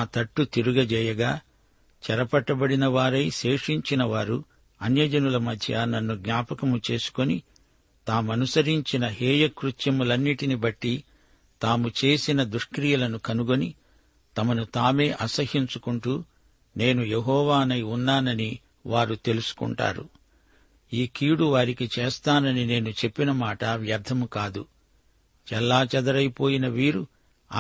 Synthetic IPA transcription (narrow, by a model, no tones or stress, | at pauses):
naːt̪ɐʈːut̪iɾuɡɐd͡ʒɛːjɐɡaː | t͡ʃɛɾɐpɐʈːɐbɐɽinɐʋaːɾɐjʃe̞ːʂiɲt͡ʃinɐʋaːɾu | ɐnjɐd͡ʒɐnulɐmɐd̪ʱjɐnɐnːuɡnaːpɐkɐmut͡ʃe̞ːsu̥ko̞ni | t̪aːmuɐnusɐɾiɲt͡ʃinɐɦɛːjɐkɾut̪jɐmulɐnːiʈinibɐʈːi | t̪aːmut͡ʃe̞ːsinɐd̪uʂkɾijɐlɐnukɐnuɡo̞ni | t̪ɐmɐnut̪aːme̞ːʔɐsɐɦiɲt͡ʃukuɳʈuː | ne̞ːnujeɦɔːʋaːnɐjunːaːnɐni | ʋaːɾut̪e̞lusu̥kṵɳʈa̰ːɾṵ | iːkiːɽuʋaːɾikit͡ʃeːst̪aːnɐnine̞ːnut͡ʃe̞pːinɐmaːʈɐʋjɐɾd̪ʱɐmukaːd̪u | t͡ʃɛlːaːt͡ʃɐd̪ɐɾɐjpo̞ːjinɐʋiːɾu